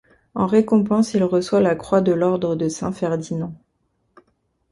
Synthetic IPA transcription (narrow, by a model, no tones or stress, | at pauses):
ɑ̃ʁekɔ̃pɑ̃silʁəswalakχwad̪əlɔʁd̪ʁəd̪əsɛ̰̃fɛʁd̪inɑ̃